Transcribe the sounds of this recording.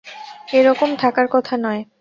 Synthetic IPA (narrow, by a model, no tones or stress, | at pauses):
eɾɔkomt̪ʰakaɾkɔt̪ʰanɔe